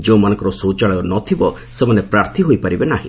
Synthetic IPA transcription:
d͡ʒeũmanɔ̃ŋkɔɾɔsot͡ʃaɭɔɔnɔt̪ʰibɔ | semanepɾaɾt̪ʰiɦojpaɾibenaɦḭ̃

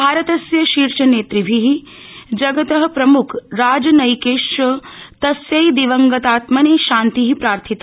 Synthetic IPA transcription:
bʱaːɾɐt̪ɐsjɐʃiːɾʃɐneːt̪ɾibʱiɦi | d͡ʒɐɡɐt̪ɐɦɐ̆pɾɐmukʰɾaːd͡ʒɐnɐjkeːʂɐt̪ɐsjɐjd̪iʋɐŋɡɐt̪aːt̪mɐneːʃaːnt̪iɦipɾaːɾt̪ʰit̪

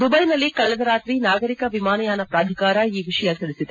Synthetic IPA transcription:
d̪ubɐjnɐlːikɐɭɐd̪ɐɾaːt̪ɾinaːɡɐɾikɐʋimaːnɐjaːnɐpɾaːd̪ʱikaːɾɐiːʋiʂɐjɐsɐɽisid̪e

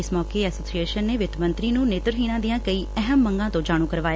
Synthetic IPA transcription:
ɪsmɔːkeːɛːsoːsieːʃənːeːʋɪt̪mə̃nt̪ɾiːnũːneːt̪ɾəɦiːɽ̃ãːd̪ijãːkəiːɛɦəmːəŋɡãːt̪õːd͡ʒaːɽ̃ũːkəɾʋaːja

